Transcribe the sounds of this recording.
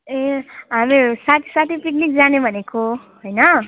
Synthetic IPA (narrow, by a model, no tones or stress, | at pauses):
eɦamesat̪ʰisat̪ʰipik̚nik̚d͡zanebʱʌneko | ɦojnʌ